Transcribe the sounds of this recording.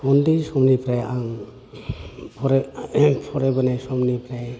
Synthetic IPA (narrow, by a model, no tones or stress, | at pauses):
ɔndisɔmnipʰɾajaŋ | pʰɔɾpʰɔɾebɔnasɔmnipʰɾaj